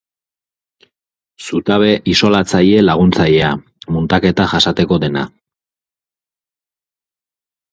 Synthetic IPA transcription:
sut̪aβe̞ʔiso̞lat͡saʎe̞laɣ̞unt͡saʎe̞a | munt̪ake̞t̪aʝasat̪e̞ko̞de̞na̰

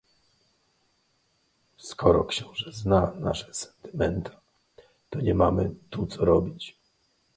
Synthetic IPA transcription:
skʰɔɾɔ̰kɕɔ̃w̃ʐɛznana̰ʂɛ̥sɛ̥nt̪ɘ̥mɛnt̪ʰḁ | t̪ɔɲɛmamɘt̪ut̪sɔɾɔbʲit͡ɕ

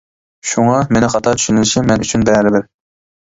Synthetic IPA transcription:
ʃuŋɑmenɪχɑt̪ʰɑt͡ʃ̪ʰy̥ʃynɪlɪʃimːɛnyt͡ʃʰynbɛɾɪbɪɾ

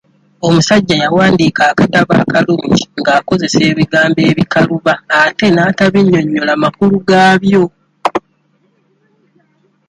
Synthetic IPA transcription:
o̞musaɟːajawaːndikaːkataβa̰ːkaluːɲɟiŋɡaːko̞ze̞se̞ːβiɡaːmbe̞ːβikaluβaːte̞naːtaβiɲːo̞ɲːo̞lamakuluɡaːβjo̞

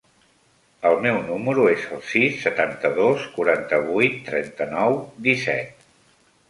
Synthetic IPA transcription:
əlˠmɛwnuməɾuezəlˠsisːət̪ant̪əðoskuɾant̪əβujt̪ːɾɛnt̪ənɔwd̪isɛ̰t̪̚

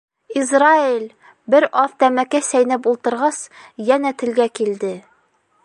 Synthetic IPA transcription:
izrailʲ | bɘɾɑðt̪æmækæsæjnæpulˠt̪ɤ̆ɾʁɑsjænæt̪ɘ̆lɡækild̪ɘ

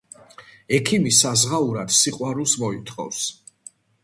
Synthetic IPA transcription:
ɛkʰimisazʁauɾad̪̥siqʼwaɾulˠsmɔit̪ʰχʼɔ̰fs

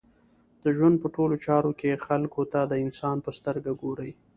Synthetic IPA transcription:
d̪̥əʒwand̪̚pəʈolot͡ʃɑɾokexalkot̪ad̪əɪnsɑnpəst̪əɾɡaɡoɾəj

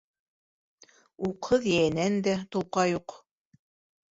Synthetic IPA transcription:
uqʰɤðjæjænænd̪æt̪ulˠqɑjuq

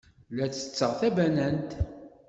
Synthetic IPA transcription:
læθə̥t͡sːəʁθæbænænt̪

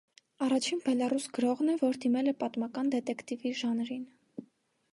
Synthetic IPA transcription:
ɑrɑt͡ʃʰinbɛlɑrusɡəɾɔʁnɛvɔɾd̪imɛlɛpɑt̪mɑkɑnd̪ɛt̪ɛkʰt̪iviʒɑnɾin

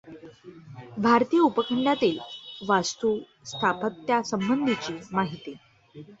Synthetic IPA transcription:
bʱaɾt̪ijəupəkʰəɳɖat̪iːlʋast̪uː | st̪ʰapət̪jasəmbənd̪ʱit͡ɕiːmaɦit̪i

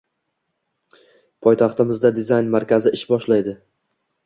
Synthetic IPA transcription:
pʰɒjt̪ʰɑχt̪ɪmɪzd̪ad̪ɪzajnmaɾkʲʰazɪɪʃbɒʃlajd̪ɪ

